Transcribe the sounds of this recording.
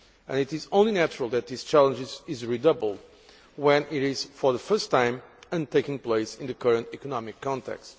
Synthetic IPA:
ɨ̃nɨɾɨzõʊ̃nlinæt͡ʃɹəl̩ˠðɨt̪̚ðist͡ʃælˠə̃nd͡ʒɪzɪzɹidʌbl̩ˠd̚ | wɛ̃nɪɾɪz̥fə˞ðəfɜ˞stʰːãɪ̃mɨ̃nteɪkɪ̃ŋpleɪsɪ̃nðɨkʰʌɹɨ̃ntikɔnɑmɪkʰːɑ̃ntɛ̰kst

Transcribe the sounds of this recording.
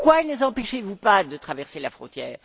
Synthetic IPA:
kwaɛnəzɑ̃pɛʃevupad̪ət̪χavɛʁselafχɔ̰̃t̪jɛːʁ

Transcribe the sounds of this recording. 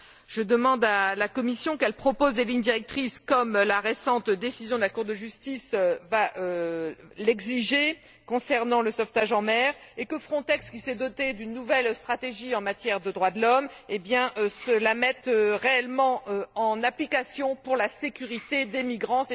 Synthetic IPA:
ʒ̥əd̪əmɑ̃d̪alakɔmisjɔ̃kɛlpχɔpozd̪eliɲd̪iʁɛk̚t̪χiskɔmlaʁesɑ̃t̪d̪esizjɔ̃d̪əlakuʁd̪əʒyst̪isøvaø | lɛɡziʒe | kɔ̃sɛʁnɑ̃ləsɔft̪aʒɑ̃mɛʁekəfχɔ̃t̪ɛkskʲisɛd̪ɔt̪ed̪ynːuvɛlst̪χat̪eʒiɑ̃mat̪jɛʁd̪əd̪ʁwad̪əlɔmebjɛ̃ʔsəlamɛt̪øʁeɛlmɑ̃øɑ̃naplikasjɔ̃puʁlasekʲyʁit̪ed̪emiɡʁɑ̃

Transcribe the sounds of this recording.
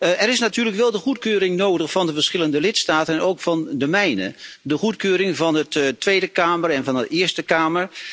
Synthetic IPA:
ɛɾɪsnatyːləkʋɛlˠdəχutkøːɾɪŋnowdəχfɑndəvəɹsχɪləndəlɪtstaːtənnowkfɑndəmɛjnə̰dəχutkøːɾɪŋvɑnəttːʋejdəkaːmərɛnvɑndəɪːəɹstəkaːməɹ

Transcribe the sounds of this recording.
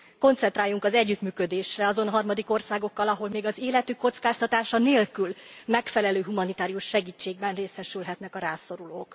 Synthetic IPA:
ko̞nt̪sɛnt̪ɾaːjːuŋkɒzɛɟːyt̪myːkød̪eːʃrɛɒzo̞nɦɒrmɒd̪iko̞rsaːɡo̞kːɒlɒɦo̞lmeːɡɒzeːlɛt̪ykːo̞t̪skaːst̪ɒt̪aːʃɒneːlkylmɛkfɛlɛløːɦumɒnit̪aːɾijuʃːɛɡiːt͡ʃːeːɡ̚bɛnreːsɛʃylɦɛt̪nɛkɒɾaːso̞ɾuloːk

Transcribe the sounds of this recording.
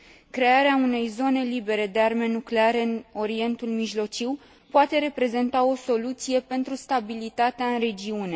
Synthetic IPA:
kɾe̞aɾeaune̞jzo̞ne̞libe̞ɾe̞d̪e̞arme̞nukleaɾe̞ɨno̞ɾie̞nt̪ulmiʒlo̞t͡ʃiw | poat̪e̞ɾe̞pɾe̞ze̞nt̪ao̞so̞lut̪sije̞pe̞nt̪ɾust̪abilit̪at̪eaɨnre̞d͡ʒiune̞

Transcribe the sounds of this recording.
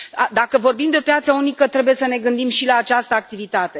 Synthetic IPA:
d̪akəvo̞rbimd̪eo̞pjat̪səunikət̪ɾe̞buje̞səne̞ɡɨnd̪imʃilaːt͡ʃast̪əak̚t̪ivit̪at̪e̞

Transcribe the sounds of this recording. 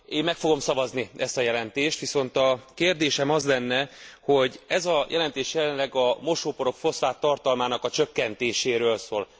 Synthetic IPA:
eːmːɛkfo̞ɡo̞msɒvɒzniɛst̪ɒjɛlɛnt̪eːʃt̪ʋiso̞nt̪ɒkeːrd̪eːʃɛmɒzlɛnːɛho̞ɟɛzɒjɛlɛnt̪eːʃjɛlɛnlɛɡɒmo̞ʃoːpo̞ɾo̞kfo̞sfaːt̪ːɒrt̪ɒlmaːnɒkɒt͡ʃø̞kːɛnt̪eːʃeːɾøːlsoːl

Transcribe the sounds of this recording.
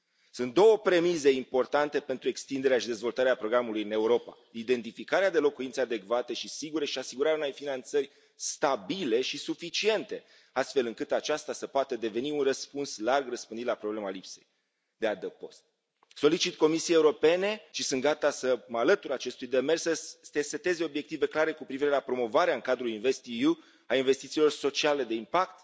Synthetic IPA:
sunt̪̚d̪o̞wəpɾe̞mize̞impo̞rt̪ant̪e̞pent̪ɾue̞kst̪ind̪eɾeaʃid̪e̞zvo̞lt̪aɾeapɾo̞ɡɾamulujɨne̞uɾo̞pa̰ | id̪e̞nt̪ifikaɾead̪e̞lo̞kuint̪sead̪e̞kvat̪e̞ʃisiɡuɾe̞ʃiasiɡuɾaɾeaunejfinant̪sərʲ | st̪abile̞ʃisufit͡ʃie̞nt̪e̞ | ast̪fe̞lɨŋkɨt̪at͡ʃast̪asəpoat̪əd̪e̞ve̞niunrəspunslarɡrəspɨnd̪it̪lapɾo̞ble̞malipse̞̰j | d̪ead̪əpo̞st̪̚ | so̞lit͡ʃit̪ko̞misiejeuɾo̞pe̞ne̞ʃisɨnt̪ɡat̪asəməalət̪uɾat͡ʃe̞st̪ujd̪e̞me̞rssət̪eset̪e̞zeo̞bje̞k̚t̪ive̞klaɾe̞kupɾiviɾelapɾo̞mo̞vaɾeaɨŋkad̪ɾulinve̞st̪iju | ainve̞st̪it̪silo̞rso̞t͡ʃiale̞d̪e̞impakt̪

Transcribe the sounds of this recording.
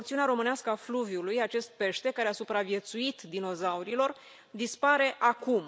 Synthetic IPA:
okt̪siuneaɾo̞mɨneaskəafluvjulujat͡ʃe̞st̪̚pe̞ʃt̪e̞kaɾe̞asupɾavie̞t̪suit̪d̪ino̞zauɾilo̞r | d̪ispaɾe̞ʔakum

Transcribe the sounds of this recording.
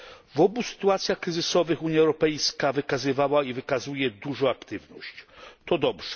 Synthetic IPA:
vɔbusɘ̥t̪uat̪sʲjaxkɾɘzɘsɔvɘxuɲjaɛwɾɔpɛjskavɘkazɘvawaivɘkazujɛd̪uʐɔ̃w̃akt̪ɘvnɔɕt͡ɕt̪ɔd̪ɔbʐ̥ɛ̥

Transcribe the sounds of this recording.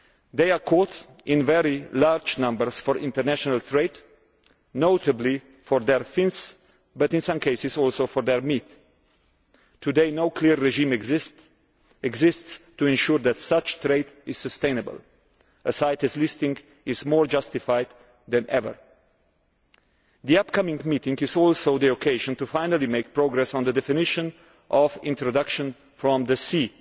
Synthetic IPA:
ðeɪəkʰɔt | ɪ̃nvɛɹilaɹd͡ʒnʌ̃mbəɹsfɔɹʔɪ̃ntəɹnæʃɔnəlt̪ʰɹeɪd | noʊtəbli | fɔɹðɛɹfɪ̃ns | bʌtɪ̃nsʌ̃mkʰeɪsɪzɔlˠsoʊfɔɹðɛɹmit̪ | tʰudeɪnoʊkʰliɹːɛʒĩmɛɡzɪst | ɛɡzɪststuɛ̃nʃuɹðætsʌt͡ʃtɹeɪdɪz̥səst̪ẽɪnəbə̰lˠ | ʔəsaɪtɨslɪstɪ̃ŋɡ | ɪzmɔɹd͡ʒʌstɪfaɪd̪ | ðɛ̃nɛvə̰˞ | ðiʌp̚kʰʌmɪ̃ŋmitɪ̃ŋɡɪzɔlˠsoʊðiokʰeɪʒə̃ntufaɪnəlˠimeɪk̚pɹoɡɹɛsn̩d̪ədɛfɪnɪʃə̃n | ʔɔvɪ̃ntɹɔdʌkʃə̃n | fɹɔ̃mðəsi

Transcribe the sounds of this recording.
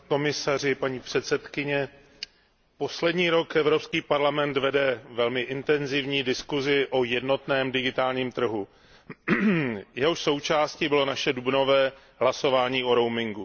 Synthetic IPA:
ko̞mɪsar̝ɪpaɲiːpr̥ɛt̪sɛt̪kɪɲɛ | po̞slɛdɲiːɾo̞kɛvɾo̞pskiːpaɾlamɛnt̪vɛdɛvɛlmɪʔɪnt̪ɛnzɪvɲiːdɪskuzɪʔo̞jɛdno̞t̪nɛːmdɪɡɪt̪aːlɲiːmt̪r̩ɦu | jɛɦoʃso̞wt͡ʃaːscibɪlo̞naʃɛdubno̞vɛː | ɦlaso̞vaːɲiːo̞ɾo̞wmɪŋɡu

